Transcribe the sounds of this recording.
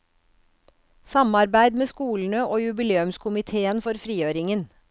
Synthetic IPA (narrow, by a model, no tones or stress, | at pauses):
sɑmɑɾbæɪd̪meːskuːln̩əoːjʉbɪleːʉmskʰʊmɪt̪ʰeːənfɔɾfɾiːøːɾɪŋən